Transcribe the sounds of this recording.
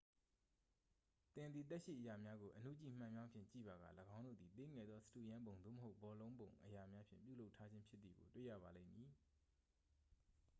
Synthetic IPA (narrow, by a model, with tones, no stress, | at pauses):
t̪ɪ̃˨nd̪i˨t̪̬ɛ˦ʔʃḭ˦˨ʔəja˨mja˦ɡo˨ʔən̥ṵ˦˨t͡ɕḭ˨m̥ã˦˨mja˦pʰjɪ̰̃˦˨t͡ɕḭ˦˨ba˨ɡa̰˦˨ləɡã˦ʊ̃ndo̰˦˨d̪i˨t̪e˦˨ŋɛ˨d̪ðɔ˦sə̥tu˦˨jã˦mbõ˨ʊ̃nd̪ðo̰˦˨mə˨ɦo˦ʊbɔ˨lõ˦ʊ̃mbõ˨ʊ̃ʔəja˨mja˦pʰjɪ̰̃˦˨mpjṵ˦lo˦ʊʔtʰːa˦d͡ʑɪ̃˦mpʰjɪ˦t̪̚ːi˨ɡo̰˨twḛ˦˨jä̰˦˨ba˨lḛ̃˦˨mji˨